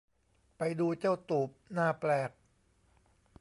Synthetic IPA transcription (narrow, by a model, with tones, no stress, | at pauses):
pa˧jduː˧t͡ɕa˥˩wt̪uː˨˩p̚naː˥˩plɛː˨˩k̚